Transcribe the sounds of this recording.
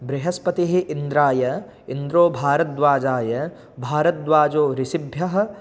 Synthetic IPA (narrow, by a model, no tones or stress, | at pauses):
bɾɪɦɐspɐt̪iɦiʔind̪ɾaːjɐ | ind̪ɾoːbʱaːɾɐt̪̚d̪ʋaːd͡ʒaːjɐ | bʱaːɾɐt̪̚d̪ʋaːd͡ʒoːɾɪsibʱjɐɦɐ̆